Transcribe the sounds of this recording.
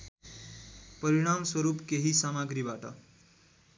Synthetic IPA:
pʌɾiɽ̃amswʌɾupkeɦisamaɡɾibaʈʌ̰

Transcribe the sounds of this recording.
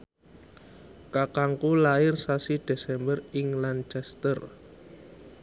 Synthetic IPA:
kakaŋkulaɪrsasid̥e̤sɛmbərɪŋlant͡ʃɛst̪ər

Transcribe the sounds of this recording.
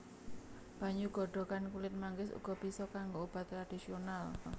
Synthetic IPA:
b̥a̤ɲuɡ̥ɔ̤ɖɔ̤kankulɪt̪̚maŋɡɪsṵɡ̥ɔ̤b̥isɔkaŋɡoob̥a̤t̪ːɾad̥isional

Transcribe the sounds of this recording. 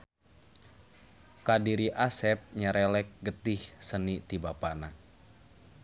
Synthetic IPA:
kadiɾiʔasɛp̚ɲaɾɛlɛk̚ɡət̪ɪhsənit̪ibapana

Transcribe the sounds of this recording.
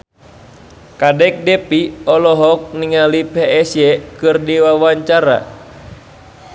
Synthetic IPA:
kadɛk̚dɛpiɔlɔɦɔk̚niŋalipɛɛsjɛkɨrdiwawaɲt͡ʃaɾa̰

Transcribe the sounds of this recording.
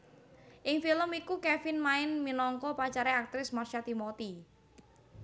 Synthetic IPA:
ʔɪŋfiləmikukɛfɪnmaɪnminɔŋkɔpat͡ʃaɾɛak̚t̪ɾɪsmarʃat̪imɔt̪i

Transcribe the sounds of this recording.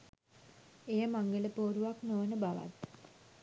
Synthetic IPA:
ejəmaŋɡələpoːɾuʋaknoʋnəbaʋa̰t̪

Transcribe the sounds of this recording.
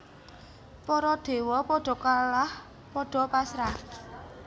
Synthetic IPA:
pɔɾɔd̪̥e̤wɔpɔɖ̥ɔ̤kalah | pɔɖ̥ɔ̤pasɾah

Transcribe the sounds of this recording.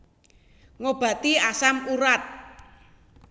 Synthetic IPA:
ŋob̥ä̤t̪iasamuɾat̪̚

